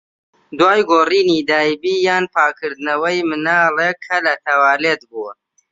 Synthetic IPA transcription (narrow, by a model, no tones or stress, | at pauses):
d̪waːjɡoːriːnid̪aːjbiːjaːnpʰaːkʰɨɾd̪nɐwɐjmɨnaːleːkʰːɐlɐt̪ʰɐwaːleːt̪̚buɐ